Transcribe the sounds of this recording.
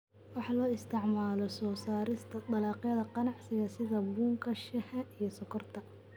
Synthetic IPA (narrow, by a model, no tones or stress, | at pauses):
wɑħɑlɔːɪst̪ʰɪʕmaːlɔsɔːsaːɾɪst̪ʰɐd̪ɐlɑːqjɐðɐqɑnɑʕsɪɣɐsɪðɐbuːŋkʰɐʃɐhɐʔijɔsɔkʰɔrt̪ʰɐ